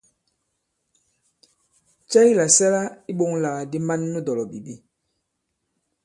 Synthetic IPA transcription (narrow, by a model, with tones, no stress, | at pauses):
t͡ʃɛ˦ji˦la˨sɛ˦la˦i˦ɓo˦ŋla˨di˦ma˦nːu˦dɔ˨lɔ˨bi˨bi˦